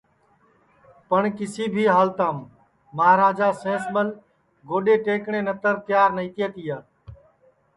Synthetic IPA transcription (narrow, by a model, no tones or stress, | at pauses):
pəɳkɪsiːbʱiːɦaːlt̪aːmː | əɦaɾaːd͡ʒaːsẽːsməl | ɡoːɗeːʈeːkɳẽːnət̪əɾt̪jaːɾnəit̪jeːt̪ijaː